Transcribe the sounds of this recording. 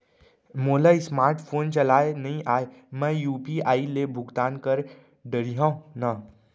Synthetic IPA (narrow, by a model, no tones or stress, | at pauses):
moːlaɪsmaːɾʈpʰoːnt͡ʃɐlaːenɐɦĩʔaːemɛ̃juːpiaːilebʱʊɡt̪aːnkəɾ | ɖəɾiɦãːna